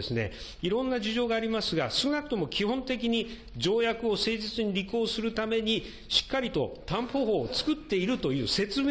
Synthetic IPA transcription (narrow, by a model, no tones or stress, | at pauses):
esɨne̞̰ | iɾõ̞nːaʑiʑo̞ːɡaːɾʲimasɨɡasɨ̥kɯnakɯ̟̥t̪omo̞kʲihõ̞nt̪e̞k̬ʲiɲ̟i | d͡ʑo̞ːjakɯ̟o̞se̞ːʑit͡sɨɲ̟iɾʲiko̞ːsɨɾɯ̟t̪ame̞ɲ̟i | ɕi̥kːaɾʲit̪o̞̰t̪ãmpo̞ɦo̞ːt͡sɨ̥kɯ̟t̪ːe̞iɾɯ̟t̪o̞jɯ̟ːse̞t͡sɨme